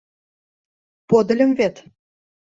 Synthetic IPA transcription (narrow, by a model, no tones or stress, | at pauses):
pod̪ə̆lʲə̆mvet̪